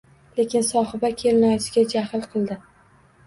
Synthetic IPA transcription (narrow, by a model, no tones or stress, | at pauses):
le̞kʲɪnsɒɦɨbakʲʰe̞lɪnɒsɪɡʲad͡ʒahlˠqʰɨlˠd̪ɪ